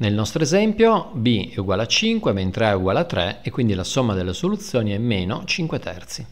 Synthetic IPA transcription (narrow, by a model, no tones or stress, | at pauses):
nelnɔst̪ɾoezɛmpjobiɛuɡwalat͡ʃiŋkwement̪ɾeauɡwaːlat̪ːɾɛekːwind̪ilasomːad̪elːesolut̪sːjoːniɛmːeːnot͡ʃiŋkwet̪ʰɛ̰rt̪si